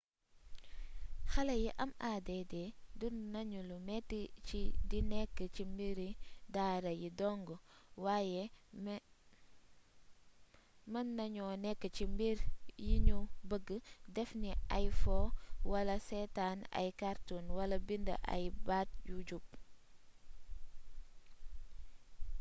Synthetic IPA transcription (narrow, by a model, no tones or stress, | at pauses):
xɐlɐjiʔɐmaːdedɛdunːɐɲulumɛtːit͡ʃidinɛkːəcimbiɾidaːɾɐjidɔŋɡɔwaːjɛ | mənːɐɲɔnɛkːət͡ʃimbiɾjiɲubəɡədɛfniajfɔwɐlɐsɛtaːna̰jkaɾtunwɐlɐbində̰ʔa̰jbat̚juɟup̚